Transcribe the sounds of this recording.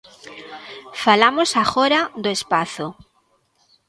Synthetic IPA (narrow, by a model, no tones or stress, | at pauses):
falamosaxoɾaðoespaθo